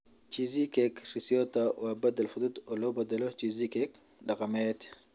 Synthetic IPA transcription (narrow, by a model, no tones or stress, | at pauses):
t͡ʃizikɛkrisijɔt̪ɐwʔaːbɐd̪ɐlfʊðʊd̪ɔːlɔːbɐd̪ɐlɔt͡ʃizikɛk | ɗɑqɑmɛːt̪